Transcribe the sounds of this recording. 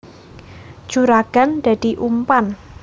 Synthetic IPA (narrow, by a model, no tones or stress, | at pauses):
d͡ʒ̥uɾaɡ̥a̤nd̪̥a̤d̪̥i̤ʔumpan